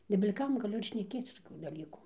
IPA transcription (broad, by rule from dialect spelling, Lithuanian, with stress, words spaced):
nʲɛbʲɪlʲ ˈkɐm ɡɐˈlʲʊ ɪr ʃʲnʲɛˈkʲeːt͡s toːˈkʲuː dɐˈlʲiːkuː